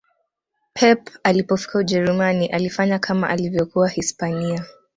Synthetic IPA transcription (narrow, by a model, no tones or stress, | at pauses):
pʰɛpalipɔfi̥kauʄɛɾumaniʔalifaɲakʰama̰ʔalivjɔkuwahispania